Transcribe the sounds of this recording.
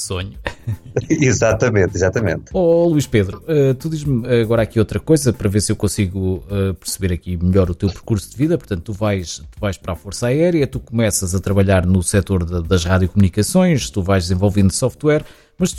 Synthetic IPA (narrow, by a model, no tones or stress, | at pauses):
soɲu | izat̪ɐmẽnt̪izat̪ɐmḛ̃nt̪ɔlˠwiʃpeðɾuɛt̪uðiʒmɣɔɾakiot̪ɾɐkojzɐpɐɾɐveɾsewkõsiɣuɛpɨɾsβeɾɐkimɨʎɔɾut̪ewpɾkuɾsuðviðɐpuɾt̪ɐ̃nt̪ːuvajʃt̪uvajʃpɐɾafoɾsaɛɾjɐt̪ukumɛsɐzɐt̪ɾɐβɐʎaɾnusɛt̪oɾðɐðɐʒʁaðjukumunikɐsõj̃ʃt̪uvajʒd̪zẽvolˠvĩnd̪usɔft̪wɛɾ | mɐʃ